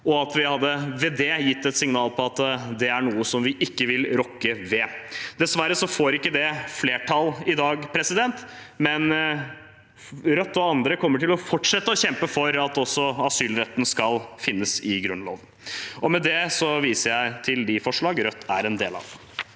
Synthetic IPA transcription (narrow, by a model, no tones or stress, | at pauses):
ɔɑt̪ʋɪhɑd̪ːəʋɛd̪ɛjɪt̪ːɛt̪sɪŋnɑːlpʰɔɑt̪d̪ɛæɳuːəsɔmʋɪʔɪkːəʋɪlɾɔkːəʋɛd̪̥ɛsʋæɾːəsɔfoːɾɪkːəd̪ɛfleːʈʰɑlɪd̪ɑːɡpʰɾɛsɪd̪ɛnt̪ | mɛn | ɾœt̪ːɔɑnd̪ɾəkʰɔmːəʈɪlɔfɔʈʂɛt̪ːəɔɕɛmpəfɔɾɑt̪ɔsːɔɑsyːlɾɛt̪ːənskɑlfɪnːəsɪɡɾʉnlo̰ːʋən̩ɔmɛd̪ɛsɔʋiːsəɾjæɪt̪ʰɪld̪ɪfɔʂɭɑːɡɾœt̪ʰːæɾɛnd̪eːlɑ̰ʋd̪ɛ